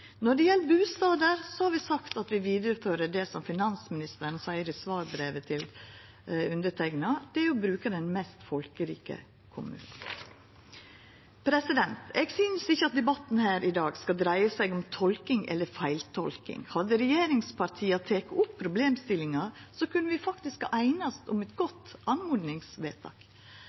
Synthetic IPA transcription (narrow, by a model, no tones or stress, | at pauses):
nɔɖɛjɛlbʉːst̪ɑːd̪əɾsɔhɑɾʋɪsɑkt̪ɑt̪ʋɪʋiːd̪əɾəføːɾəɖɛsɔmfɪnɑnsmɪnɪst̪əɾn̩sæɪəɾɪsʋɑːɾbɾeːʋət̪ʰɪl | ʉnd̪ətʰɛɡnɑd̪̥ɛjʊbɾʉːkəɖɛnmɛst̪fɔlkəɾḭːkə̰ | kʰʊmʉ̰ːnn̩ | pʰɾɛsɪd̪ɛnt̪ɛɡsynsɪçːəɑt̪̚d̪ɛbɑt̪ːn̩hæːɾʔɪd̪ɑːɡskɑd̪ɾæɪəsæɪɡɔmt̪ʰɔlkɪŋɛ̰lːəɾfæɪlt̪ʰɔ̰lkɪ̰ŋhɑd̪əɾɛjeːɾɪŋspʰɑɾt̪ʰiːɑt̪ʰeːkəʊpʰːɾʊbleːmst̪ɪlɪŋɑsɔkʉnːəʋɪfɑkt̪ɪskɑʔæɪnɑst̪ʊmɛt̪ɡɔt̪ːɑnmʊːd̪nɪŋsʋḛːt̪ʰɑ̰ːk